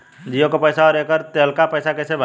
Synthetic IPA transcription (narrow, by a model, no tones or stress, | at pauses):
d͡ʒijõkopəjsaɔːɾekəɾt̪elkapəjsakɛsebʱa